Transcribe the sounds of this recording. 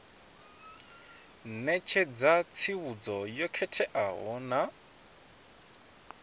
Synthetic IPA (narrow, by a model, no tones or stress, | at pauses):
nɛt͡ʃʰɛd͡zat͡sʰiβud͡zɔjɔkʰɛtʰɛʔaɦɔna